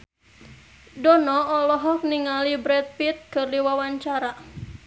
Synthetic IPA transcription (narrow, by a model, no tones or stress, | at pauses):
dɔnɔːlɔɦɔk̚niŋalibɾɛt̪̚pit̪̚kərliwawaɲt͡ʃaɾa